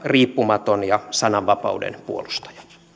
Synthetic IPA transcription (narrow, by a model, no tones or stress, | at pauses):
riːpːumɑt̪onjɑsɑnɑʋːɑpɑ̰udḛnpṵolust̪ɑ̥j̥ɑ̥